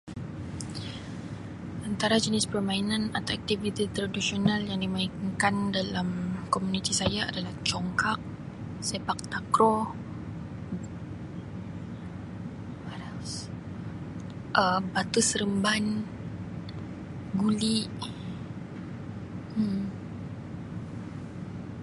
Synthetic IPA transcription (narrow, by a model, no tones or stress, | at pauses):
ʔant̪aɾad͡ʒənɪspərmainanat̪awɛk̚t̪ivit̪it̪ɾadisionaljaŋdimaiŋkandalamkomunit̪isajaa̰dalaht͡ʃɔŋkak̚ | sepak̚t̪akɾɔ | ʔəbat̪usɾəmban | ɡuliʔ